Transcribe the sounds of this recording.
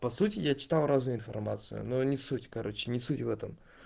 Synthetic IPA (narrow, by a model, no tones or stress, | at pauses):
pɐsutʲɪjat͡ɕɪ̥t̪alˠɾaznʊjʊɪnfɐ̰rmat̪sɨ̰jʊ̰nonʲɪsutʲkɐɾo̞t͡ɕːɪnʲɪsutʲvɛt̪əm